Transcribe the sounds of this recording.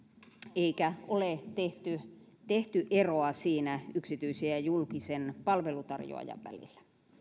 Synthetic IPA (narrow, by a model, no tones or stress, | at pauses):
eikæolet̪eht̪y | t̪eht̪yʔeroɑsiːnæyksit̪yisiæjulkisenpɑlʋelut̪ɑrjo̰ɑ̰jɑ̰ʋʋæ̰lḭlːæ̥